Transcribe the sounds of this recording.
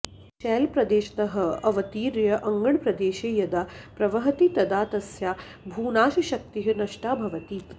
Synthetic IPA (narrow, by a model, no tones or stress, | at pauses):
ʃɛːlpɾɐd̪eːʃɐ̥t̪ɐɦɐ̆ɐʋɐt̪iːɾjɐʔɐŋɡɐɳpɾɐd̪eːʃeːjɐd̪ɐpɾɐʋɐɦɐt̪it̪ɐd̪aːt̪ɐsjaː | bʱuːnaːʃɐʃɐk̚t̪iɦɐnɐʂʈaːbʱɐʋɐt̪i